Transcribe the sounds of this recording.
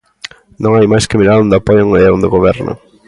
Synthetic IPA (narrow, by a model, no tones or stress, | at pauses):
nõŋajmajskɪmilaɾond̪ɪapɔjoŋɛond̪ɪɣoβɛɾnɐ̰